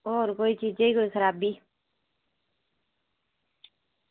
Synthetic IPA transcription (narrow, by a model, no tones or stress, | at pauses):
oːɾkoːit͡ʃiːd͡ʒeikoːixəɾaːbːiː